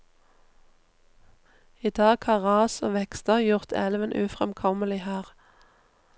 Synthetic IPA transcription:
id̪ɑːɡhɑːʁɑːsoːʋɛkst̪əʁjʊʁt̪ʰɛ̰lʋənʔʉːfʁɛmkʰɔməlɪhæːʁ

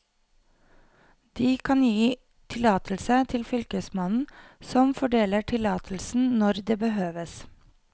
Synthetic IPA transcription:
d̪̥iːkʰɑnjiː | t̪ʰɪlɑːt̪ʰlsət̪ʰɪlfʏlkəsmɑnn̩sɔmfɔɖeːləʈʰɪlɑːt̪ʰl̩sn̩nɔɾd̪eːbəɦøːʋəs

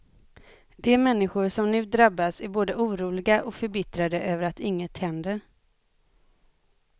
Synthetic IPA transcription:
d̪ɛmɛnːɪɧʊɾʂɔmnʉ̟ːd̪ɾabːasæɾboːd̪əʔuːɾuːlɪɡaʔɔkfœɾbɪt̪ɾad̪əʔøːvəɾat̪ɪŋːət̪hɛnd̪əɾ

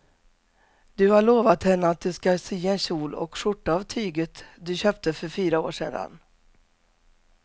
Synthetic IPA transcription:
d̪ɵhaɭoːvat̪hɛnːəat̪̚d̪ɵskasiːɛnɕuːlɔ̰kʂʊʈːaːvt̪ʰyːɡət̪d̪ɵɕøːp̚t̪əfœɾfyːɾao̰ːʂḛːd̪a̰n

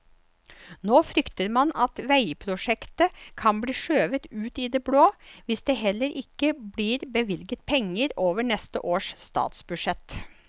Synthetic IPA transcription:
noːfɾʏkt̪əɾmɑnɑt̪ʋæɪpʰɾʊʂɛkt̪əkʰɑnbliːʂøːʋət̪ʉːt̪id̪eːbɽoːʋɪsd̪eːɦɛlːəɾʔɪkːəblɪːɾbəʋɪlɡət̪̚pʰɛŋːəɾoːʋəɳɛst̪ə̰ʔoːʂst̪ɑ̰ːt̪sbʉʂɛt̪

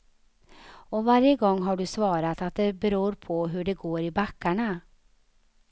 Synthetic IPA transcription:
ɔvaɾjəɡɔŋːɦaɖɵsvɑːɾat̪at̪̚d̪ɛbɛɾuːɾpʰɔɦɵɖɛɡoːɾɪbakːaɳa

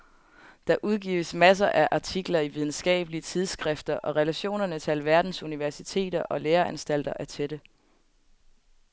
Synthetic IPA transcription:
d̥ɑ̈ʔuð̞ˠɡ̥ḭːʊəsmæs̬ɐʔæʔɑ̈t͡sʰiɡ̥lɐiʋið̞ˠn̩sɡ̥ɛ̰ːb̥əliət͡sʰið̞ˠsɡ̥ʁɛfd̥ɐʔɒ̽ʁɛlæɕo̝̰ːnɐnət͡s̝ʰælʋæɐd̥n̩suniʋæɐsit͡sʰe̝̰ːd̥ɐʔɒ̽leːɐænsd̥æl̰d̥ɐʔæɐt͡sʰed̥ə

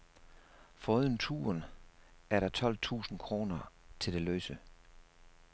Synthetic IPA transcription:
fɒ̽uð̰ˠn̩t͡sʰṵːɐnæɐɾɑ̈t͡sʰɒ̽l̰t͡sʰṵːsn̩kʰʁo̝ːnɐt͡sʰe̝ld̥e̝løːsə

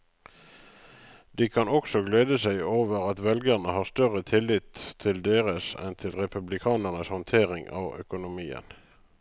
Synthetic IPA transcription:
d̪̥iːkʰɑnɔksɔɡleːd̪əsæɪoːʋəʁɑt̪ʋɛlɡəʁnəhɑːʁst̪œʁət̪ʰɪlɪt̪ʰːɪld̪eːʁəsɛ̰nt̪ʰɪlʁɛpʉblɪkʰɑːnəʁnəshɑnt̪ʰeːʁɪŋɑ̰ʋœ̰kʊnʊmiːə̰n

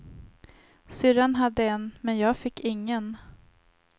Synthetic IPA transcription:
sʏɾanɦad̪ːəɛnmɛnjɑːɡfɪkːɪŋːən

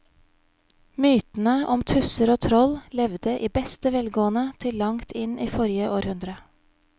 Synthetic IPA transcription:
myːt̪n̩əʔɔmt̪ʰʉsəɾoːt̪ʰɾɔllɛʋd̪əʔiːbɛst̪əʋɛlɡoːənət̪ʰɪlːɑŋt̪ʰɪniːfɔɾjəʔoːɾhʉnd̪ɾə

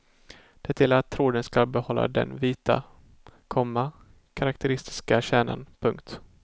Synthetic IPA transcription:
d̪̥ɛt̪ʰjɛlaɾat̪ʰːɾuːd̪ənskalbɛhɔlːa̰d̪ɛ̰nviːt̪a̰ | kʰɔmːa | kʰaɾakt̪ɛɾɪst̪ɪ̥skaɕɛːna̰npʰɵŋkt̪

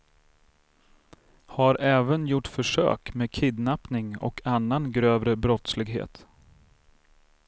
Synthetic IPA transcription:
haɾʔɛːvənjʊʈːfœʂø̰ːkmeːkʰɪd̪napnɪŋɔ̰kʰanːanɡɾøːvɾəbɾɔt̪slɪɡɦḛːt̪

